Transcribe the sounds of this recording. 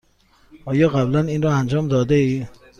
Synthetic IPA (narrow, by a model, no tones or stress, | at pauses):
ɒːjɒːɣæblæniːnɾɒːænd͡ʒɒːmd̪ɒːd̪eiː